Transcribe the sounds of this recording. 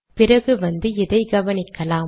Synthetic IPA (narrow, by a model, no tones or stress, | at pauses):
pɪrɐɣɯʋɐnd̪ɯɪðɐɪɡɐʋɐnɪkːɐlaː